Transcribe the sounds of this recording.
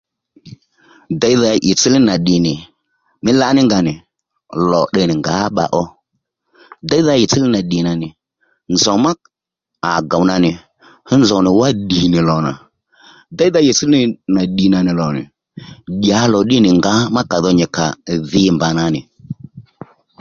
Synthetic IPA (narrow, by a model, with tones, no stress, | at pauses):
da˨˦i˦ða˧ʔɪ˨t͡si˦li˦na˨ɗɪ˨nɪ˨ | mɪ˦la˦nɪ˦ŋɡa˨nɪ˨ | lɔ˨ɗə˨nɪ˨ŋɡaː˨˦ɓa̰˨ʔɔ˦ | da˦jða˦jɪ˨t͡si˦lɪ˦na˨ɗi˨na˨nɪ˨ | nzɔ˨ma˦k | a˨ɡa˨wna˧nɪ˨ | hə˦nzɔ˨nɪ˨wa˦ɗi˨nɪ˨lɔ˨na̰˨ | da˦jða˦jɪ˨t͡si˦lna˨ɗi˨na˨nɪ˨lɔ˨nɪ̰˨ | ɗʲa˨˦lɔ˨ɗɪ˦nɪ˨ŋɡa˨˦ma˦ka˨ðɔ˦ɲɪ˨ka̰˨ðɪ˦mba˨na˨nɪ˨